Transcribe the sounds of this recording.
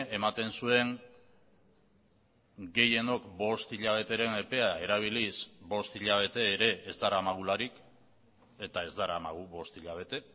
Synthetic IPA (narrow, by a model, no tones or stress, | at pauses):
emat̪e̞nsue̞ŋ | ɡe̞je̞no̞kbo̞st̪iʎaβ̞e̞t̪e̞ɾe̞nepe̞ae̞ɾaβ̞ilisbo̞st̪iʎaβ̞e̞t̪e̞ːɾe̞ːzd̪aɾaːmaɣ̞ulaɾik | e̞t̪ae̞zd̪aɾamaɣ̞uβo̞st̪iʎaβ̞e̞t̪e̞